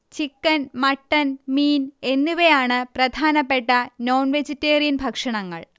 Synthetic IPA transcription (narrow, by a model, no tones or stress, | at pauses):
t͡ɕikːɐnmɐʈːɐnmiːne̞nːuʋejaːɳɨprɐd̪ʱaːnɐpːe̞ʈːɐno̞ːnʋed͡ʑitːeːrijɐnbʱɐkʂɐɳɐŋːɐ̰ɭ